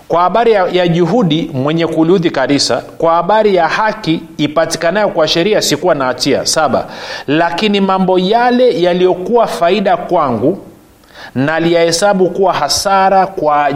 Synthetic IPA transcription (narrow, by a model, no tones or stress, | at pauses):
kwahaɓaɾijaʄuɦuɗimwɛɲɛkuluðikanisa̰kwahaɓaɾijahakiːpati̥kanajɔkwaʃɛɾiasikuwanaːtia̰saɓa̰lakinimambɔjalɛjalijɔkuwafaiɗakwaŋɡu | nalijahɛsaɓukuwahasaɾakwa